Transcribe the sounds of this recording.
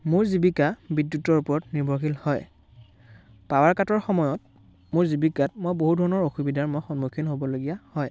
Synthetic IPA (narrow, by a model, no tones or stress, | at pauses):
mʊɹzibikabidjutːɔɹupɔɹɔtniɹbʱɔɹxilhɔj | pawaɹkatɔɹxɔmɔjɔt̚ | mʊɹzibikatmojboɦudʱɔɹɔnɔɹoxubidʱaɹmɔjxɔnmukʰinɦobɔloɡijahɔj